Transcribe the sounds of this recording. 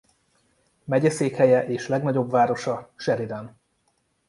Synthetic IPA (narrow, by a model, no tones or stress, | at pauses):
mɛɟɛseːkhɛjɛʔeːʃlɛɡnɒɟo̞bvaːɾo̞ʃɒʃɛɾid̪ɛn